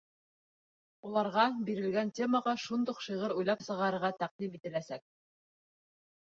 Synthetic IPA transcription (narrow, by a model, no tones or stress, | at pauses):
ulˠɑɾʁɑbiɾɘ̆lɡæntʲe̞məʁɑʃund̪uqʃɤʁɤɾujlˠɑpsɤ̆ʁɑɾɤ̆ɾʁɑt̪æq̚d̪imit̪ɘ̆læsæk̚